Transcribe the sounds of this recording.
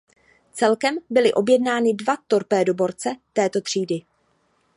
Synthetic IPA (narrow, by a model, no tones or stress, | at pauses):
t͡sɛlkɛmbɪlɪʔo̞bjɛdnaːnɪdvat̪o̞ɾpɛːdo̞bo̞ɾt͡sɛt̪ɛːt̪o̞t̪r̝̥iːdɪ